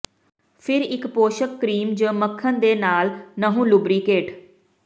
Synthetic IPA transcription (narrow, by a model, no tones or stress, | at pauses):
pʰɪɾɪkpoːʃəkːɾiːmd͡ʒə̃ːməkʰːənd̪eːnaːlnəɦũːlʊbɾiːkeːʈ